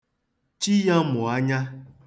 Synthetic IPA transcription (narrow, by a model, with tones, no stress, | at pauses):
t͡ʃi˦ja˦mʊ˨a˦ɲa˦